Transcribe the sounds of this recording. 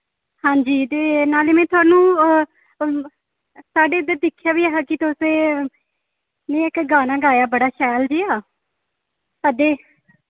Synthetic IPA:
hãːɲd͡ʒiːt̪eːnaːleːmɛ̃ːt̪ʊaːnũː | saːɖeːɪd̪əɾd̪ɪkʰːjaːʋiːaːɦaːkɪt̪oseː | nẽːɪkɡaːnaːɡaːjaːbəɽaːʃɛːld͡ʒeːaː | əd̪eː

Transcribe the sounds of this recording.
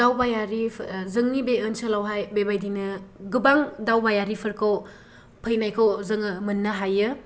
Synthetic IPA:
awbajaɾizɯŋnibeənsɐlawɦajbebajdinɯɡubaŋdawbajaɾipʰɐɾkʰaw | pʰəjnajkʰawzɯŋɯmɐnːɐɦajɯ

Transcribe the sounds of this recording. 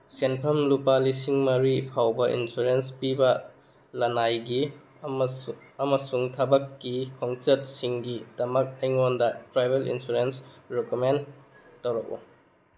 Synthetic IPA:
senpʰɐmlupalisiŋmɐɾipʰawbɐʔḭnsuɾenspibɐ | lɐnajɡi | ɐmɐsuŋtʰɐbɐkːikʰɔŋsɐt̚siŋɡidɐmɐk̚ejŋondɐtɾajbelḭnsuɾensɾekomen | tɐwɾɐk̚ṵ

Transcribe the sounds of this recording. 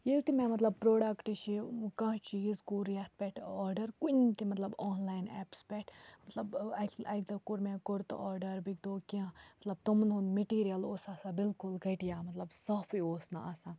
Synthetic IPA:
jilt̪imɛ̃mɐt̪lɐb̚pɾoːɖɐkʈt͡ʃʰikɐ̃ɦt͡ʃizkuːɾjɐt̪̚ʰpʲɛʈʰaːɾɖɐɾkunt̪imɐt̪lɐboːnlaːjnɛ̰ːpspɛʈʰmɐt̪lɐbɐɐkd̪ɐkuɾmɛ̃ːkʊɾt̪ɔːɾɖɐɾbikd̪oːkiãmɐt̪lɐb̚t̪umnɦunmeʈiːɾijɐloːsaːsaːbɪlkʊlɡɐʈijaːmɐt̪lɐbsaːfioːsnɐ̰asã

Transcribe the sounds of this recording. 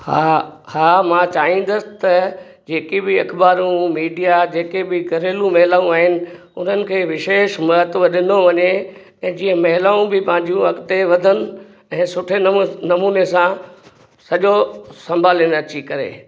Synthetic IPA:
hahaːmãt͡ɕaːɦĩn̆d̪əsɪ̥t̪ɐ | d͡ʑeːkibɪɐkʰbaːɾũmiːɖijad͡ʑeːkebɪkɐɾeːlũmɐɦɪlaːũaːɦɪnɪ̆ | ʊn̤ənɪ̆kʰeːʋɪʃeːʃmɐɦət̪ʋɐɗɪnoʋɐɲe | ɛ̃ːd͡ʑĩːə̃mɐɦɪlaːũbɪpɐ̃ɦɪ̃ɲ̆d͡ʑũɐkt̪eʋɐd̪ʱənɪ̆ | ɛ̃ːsʊʈʰenɐmuːnesã | sɐʄosɐ̃mbʱaːlinɐt͡ɕikɐɾḛː

